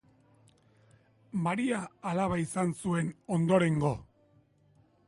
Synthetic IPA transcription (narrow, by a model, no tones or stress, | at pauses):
maɾiaːlaβaisansue̞no̞nd̪o̞ɾe̞ŋɡo̞